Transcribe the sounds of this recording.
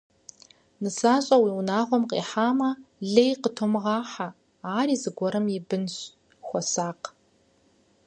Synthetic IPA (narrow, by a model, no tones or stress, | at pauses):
nɨsaːɕʼɐwiːwʊnaːʁʷɔmqḛːħaːmɐɮejqətʰomɨʁɑːħa | aːriːzɨɡʷɔɾɐmjɪbɨnɕ | xʷɔsaːq